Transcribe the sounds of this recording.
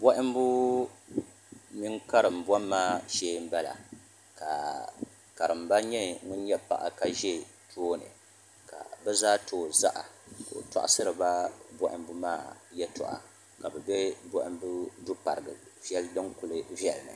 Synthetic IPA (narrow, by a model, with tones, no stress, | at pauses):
bɔ˦ʔɪ˦m˦bu˦ | mi˦ŋka˦ɾɨ˨m˨bɔ˦mːaː˦˨ʃeː˦m̩˦bɛ˦la̰˨ | ka˨ | ka˨ɾɨ˨mba˦ɲɛ˦ŋʊ˦n˦jɛ˦pa̰˦˨ʔa̰˨ka˦ʒɛ˦tʰoː˦nɨ̰˨ | ka̰˨bɛ˦zaː˦tʰoː˨˦za˦ʔa̰˨ko̰˨ta̰˦˨ʔa˦sɨ˦ɾɨ˨ba˦bɔ˦ʔɪ̰˦mbu˦maː˦˨jɛ˦tʊ̰˨ʔa̰˨ | ka˨bɛ˨bɛ˦bɔ˦ʔɪ˦m˦bu˦du˦pa̰˨ɾɨ˨ɡɨ˨vi˦ɛ˦ldɨ˦ŋku˨lɨ˨vjɛ˨lnɨ̰˨